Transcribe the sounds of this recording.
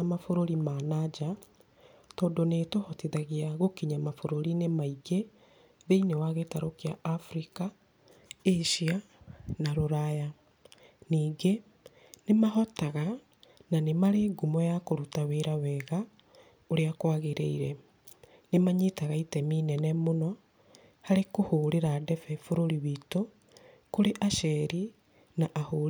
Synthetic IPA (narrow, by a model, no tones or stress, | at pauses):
amafoɾoɾimaːnad͡ʒa | tɔːndoneːtohɔtiðaɣiaɣokiɲamafoɾoɾinemaiɡe | ðeinewaɣetaɾokeaʔːfɾika | eʃia | naɾoɾaja | niːɡe | nemaɦɔtaɣa | nanemaɾeːɡumɔjakoɾutaweɾawɛɣa | oɾeakwaɣeɾḛiɾɛ | nemaɲitaɣaitɛminɛnɛmonɔ | haɾekohoːɾeɾadɛfɛfoɾoɾiβito | koɾeʔaʃɛɾi | naʔaho